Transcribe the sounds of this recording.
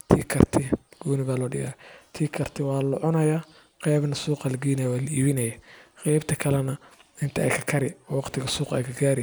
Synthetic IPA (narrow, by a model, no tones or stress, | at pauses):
t̪ʰiːkʰɐrt̪ʰɪɡ̥uːnɪβaːlɔːɖɪja̰t̪ʰiːkʰɐrt̪ʰɪwɑːlʊʕʊnɐja | qɛjβnɐsuːqɑlɐɡɛːnɐjwaːlɐʔiːβɪnɐjaqɛjbt̪ʰɐkʰɐlɛnɐɪnt̪ʰɐʔɛ̰jkʰɐkʰɐɾɪɔːwɑqt̪ʰɪɣɐsuːqɛ̰jkʰɐɡaːɾɪ